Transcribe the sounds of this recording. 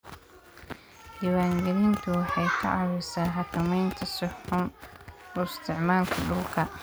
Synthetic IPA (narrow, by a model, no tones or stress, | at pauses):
hiːwaːŋɡɛlɪnt̪ʰʊwɑħɑjkʰɐ̰ʔɑɾʊsaːnɦɑkʰɐmɛjnt̪ʰɐsɔħʊmɔɪst̪ʰɪʕmaːlkʰɐɖʊlkʰɐ